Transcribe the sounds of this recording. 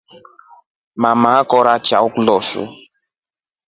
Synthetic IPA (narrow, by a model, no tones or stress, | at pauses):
mamakɔɾat͡ʃaʊklɔsʊ̰